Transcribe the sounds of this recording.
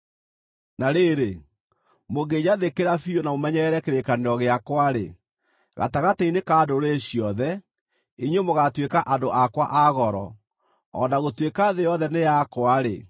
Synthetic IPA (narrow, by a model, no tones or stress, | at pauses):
naɾeɾe | moɡed͡ʑaðekeɾafionamomɛɲɛɾɛkeɾekaneɾɔɣeakwaɾḛ | ɣa̰taɣateinekaːdoɾeɕijɔðɛ | iɲwemoɣatwekaʔadoʔakwaʔaɣɔɾɔ̰ | ɔ̰naɣotwekaðejɔðɛnejakwaɾḛ